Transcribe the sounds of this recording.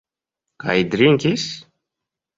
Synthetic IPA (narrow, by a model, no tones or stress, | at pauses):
ka̰jd̪ɾiŋkʲis